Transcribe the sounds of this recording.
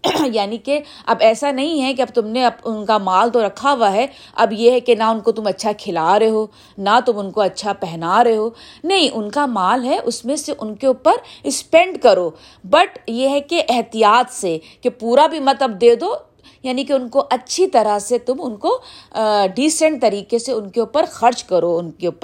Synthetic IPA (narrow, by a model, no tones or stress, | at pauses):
jaːnike | ɐbɛːsanɐɦĩɦɛkeɐbt̪ʊmneɐpʊnkamaːlt̪oɾɐkʰaʋaɦɛ | ɐbjeɦɛkenaʊnkot̪ʊmɐtːʃʰakʰɪlaːɾɐɦoː | nat̪ʊmʊnkoɐtːʃʰapɛɦnaɾɐɦoːnɐɦĩʔʊnkamaːlɦɛʔʊsmẽseʔʊnkeuːpəɾɪspɛ̃ɳɖkɐɾoː | bɐʈjeɦɛkeʔɛɦt̪ijaːt̪se | kepuːɾabʱimɐt̪əb̚d̪eːd̪oː | jaːnikeʊnkoʔɐtːʃʰit̪ɐɾaset̪ʊmʊnko | ɖiːsə̃ɳʈ̚t̪ɐɾiːkeseʊnkeuːpəɾxɐɾt͡ʃkɐɾoʊnkeʊːpəɾ